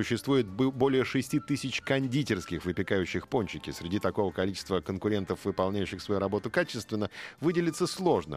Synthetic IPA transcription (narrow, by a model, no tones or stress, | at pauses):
ʊɕːɪst̪vujɪt̪̚bo̞lʲɪjəʂɨsʲtʲit̪ɨsʲɪt͡ɕkɐnʲdʲitʲɪrskʲɪxvɨpʲɪkajʉɕːɪxponʲt͡ɕːɪkʲɪsɾʲɪdʲit̪ɐko̞vəkɐlʲit͡ɕɪ̥st̪vəkənkʊɾʲe̞nt̪əfvɨpɐlˠnʲæjʉɕːɪxsvɐjuɾɐbo̞t̪ʊkat͡ɕɪst̪vʲɪnːəvɨdʲɪlʲɪt̪səslˠo̞ʐnə̰